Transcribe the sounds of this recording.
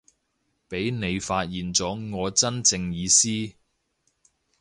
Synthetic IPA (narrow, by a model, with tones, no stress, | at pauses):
pe˨˥jne˨˧jfaː˧t̚jiː˨nt͡sɔː˨˥ŋɔː˨˧t͡sɐ˥nt͡sɪ˧ŋjiː˨˧siː˥